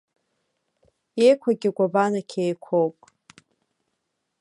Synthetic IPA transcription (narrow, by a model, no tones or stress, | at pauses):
ejkʷʰaɡʲɪɡʷabanakʲʰejkʷʰowpʼ